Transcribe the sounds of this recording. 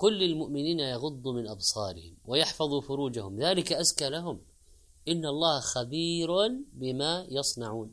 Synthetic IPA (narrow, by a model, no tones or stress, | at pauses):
kʊlːɪlmʊʔmɪniːnajɑɣʊd̪ˤːumɪnʔɑbsˤɑːɾɪ̰hɪmwɪjɑħfɑðˤufʊɾuːd͡ʒahʊmðaːlɪkaʔaskalaɦʊm | ʔɪnːɑlˤːɑːhxabiːɾʊnbɪmajɑsˤnɑʕuːn